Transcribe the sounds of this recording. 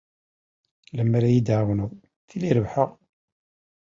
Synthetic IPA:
læmːaɾæjid̪ʕʁnuw | θiliɾəvħəʁ

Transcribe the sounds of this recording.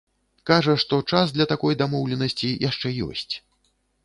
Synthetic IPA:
kaʐɐʂt̪ɔt͡ʂasd̪lʲɐt̪akɔjd̪amɔwlʲɛnɐsʲt͡sʲijʔaʂt͡ʂɛjɔ̰sʲt͡sʲ

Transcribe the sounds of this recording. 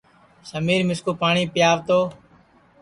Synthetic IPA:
səmiːɾmɪskuːpaːɳiːpɪjaːʋt̪oː

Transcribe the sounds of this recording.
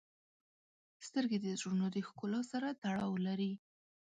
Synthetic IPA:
st̪əɾɡed̪əzɾunod̪əxkulɑsaɾat̪aɽɑwlaɾi

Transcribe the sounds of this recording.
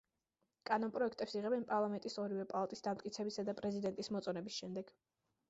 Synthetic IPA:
kʼanɔnpʼɾɔɛkʰt̪ʼɛpsiʁɛbɛnpʼaɾlˠamɛnt̪ʼisɔɾivɛpʼalˠat̪ʼisd̪amt̪ʼkʼit̪sʰɛbitsad̪apʼɾɛzid̪ɛnt̪ʼismɔt̪sʼɔnɛbisʃɛmd̪ɛɡ̥

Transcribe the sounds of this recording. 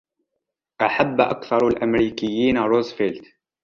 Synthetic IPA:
ʔaħabːʔa̰kθɑɾˤalʔamɾiːkɪjːiːnaɾˤozfelt̪

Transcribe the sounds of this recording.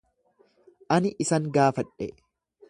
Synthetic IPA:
ʔɐnɪʔɪsɐŋɡaːfɐᶑɛ̰

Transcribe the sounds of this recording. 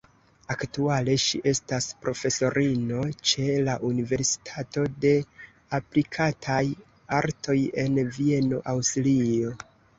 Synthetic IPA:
aktuale̞ʃḭʔe̞staspɾo̞fe̞so̞ɾʔino̞t͡ʃe̞laʔunive̞ɾsi̥tʰato̞de̞ | aplikʰatʰaj | aɾtʰo̞je̞nvie̞no̞̰ʔawstlio̞

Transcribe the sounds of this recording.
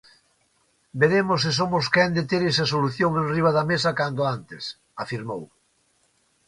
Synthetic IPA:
beɾemosːɪs̬omʊskɛnd̪et̪eɾesɐsoluθjoŋenriβ̞aðɐmesɐkand̪oant̪ɪs | afiɾmow

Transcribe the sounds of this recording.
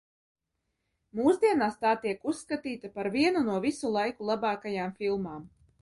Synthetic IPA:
muːzd̪iɛnaːst̪aːt̪iɛkusːkat̪iːt̪apaɾviɛnunuɔvisulˠajkulˠabaːkajaːmfilˠmaːm

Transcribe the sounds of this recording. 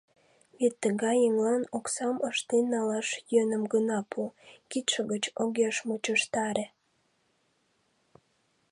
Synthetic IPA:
βet̪ːəɣɑjəŋlɑnoksɑməʃt̪enːɑlɑʃjønəmɡənɑpʰukit̪ʃəɣət͡ɕoɣeʃmut͡ɕəʃt̪ɑɾe

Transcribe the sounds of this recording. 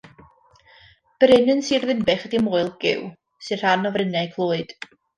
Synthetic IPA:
b̥ɾɪnənsiːrðɪmbɛχədimoːɨlˠɡɪ̰w | sɨr̥anɔvrɪnɛkʰlˠoːɨd̥

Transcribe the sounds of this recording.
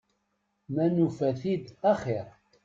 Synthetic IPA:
mænufæθid̪æχiɾ

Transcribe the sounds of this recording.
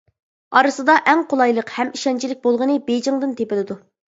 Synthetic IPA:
ɑɾɨsɨd̪ɑʔɛŋqʰolˠɑjlˠəqhɛmiʃɛnt͡ʃʰilɪk̚ʲbolˠʁənɨbed͡ʒɪŋd̪ɨnt̪ʰepɪlɪd̪u

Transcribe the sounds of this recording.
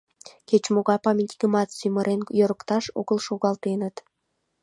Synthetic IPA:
ket͡ɕmoɣɑpɑmʲinʲt̪ʲi̥ɡəmɑt̪syməɾʔenjoɾə̆kt̪ɑʃo̰ɣəlˠʃoɣɑlˠt̪enət̪

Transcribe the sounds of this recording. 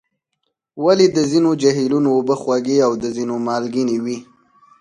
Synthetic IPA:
waled̪əzinod͡ʒaɦilunoːbəxwaɡeawd̪əzinomɑlɡinewi

